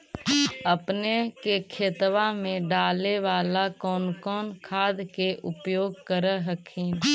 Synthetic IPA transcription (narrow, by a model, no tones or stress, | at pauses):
əpnekekʰeːt̪ʋamẽɖaːleʋaːlakɔːnkɔːnkʰaːd̪keʔʊpjoːɡkəɾəɦəkʰiːn